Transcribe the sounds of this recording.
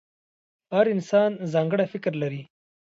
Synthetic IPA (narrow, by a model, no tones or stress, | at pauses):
haɾɪnsɑːnzɑːŋɡəɽafɪkɾlaɾi